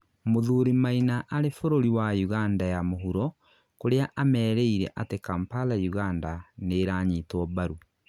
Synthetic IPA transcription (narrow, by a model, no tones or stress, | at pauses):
moðuɾimainaʔaɾefoɾoɾiwajuɣandajamoɦuɾɔ | koɾeaʔamɛːɾɛiɾɛ̰ʔatekampalajuɣandaneɾaɲitwɔβaɾu